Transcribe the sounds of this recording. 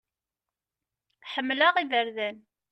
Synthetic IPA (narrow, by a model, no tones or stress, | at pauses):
ħəmːləʁiðəɾðæn